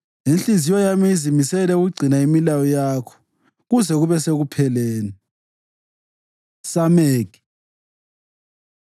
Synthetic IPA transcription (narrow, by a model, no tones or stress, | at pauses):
inɬizijɔjamizimisɛlɛuɣuɡ͡ǀʱinaimilawɔjaːkʰɔ̥ | ɣuzɛɣuβɛseɣupʰɛleːnɛ | sameːɡ̥i̥